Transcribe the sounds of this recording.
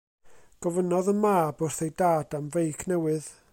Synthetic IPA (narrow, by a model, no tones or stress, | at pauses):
ɡ̥ɔvənɔðəmaːbʊrθejdaːd̥amvejkʰnɛwɨð